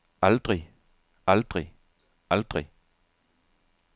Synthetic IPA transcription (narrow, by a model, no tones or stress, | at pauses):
ɑld̥ʁi | ɑld̪̥ʁi | ʔɑld̪̥ʁi